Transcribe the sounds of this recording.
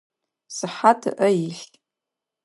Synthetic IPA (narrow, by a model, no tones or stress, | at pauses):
sɨħatʰa̰ʔəiɬtʲʼ